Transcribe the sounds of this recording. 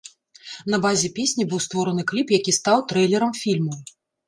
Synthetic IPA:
nɐbazʲɛpʲesʲnʲibɨwst̪vɔɾɐnɨklʲipjakʲist̪awt̪ɾɛjlʲɛɾɐmfʲilʲmu

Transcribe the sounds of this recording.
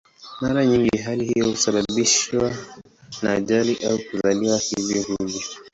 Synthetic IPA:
maɾaɲiŋɡiɦalihijɔhusaɓaɓiʃwa | naːʄaliʔaukuzaliwahivjɔhuɲi

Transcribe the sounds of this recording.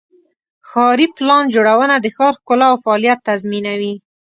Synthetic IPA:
xɑɾiplɑnd͡ʒoɽawənad̪əxɑɾkʊlaːwfaːlijat̪ːazminawi

